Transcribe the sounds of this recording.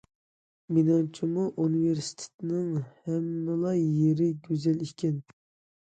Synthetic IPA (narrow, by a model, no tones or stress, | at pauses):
minɑnt͡ʃʰimuʔuniveɾsi̥t̪ʰe̥t̪ʰɪnɪŋhɛmːɪlˠɑjeɾɪɡʲøzɛlikʲɛn